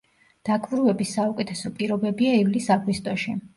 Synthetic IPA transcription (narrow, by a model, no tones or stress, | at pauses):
d̪̥akʼvɾuɛbisːaukʼɛt̪ʰɛsɔpʼiɾɔbɛbiaivlisaɡwist̪ʼɔʃi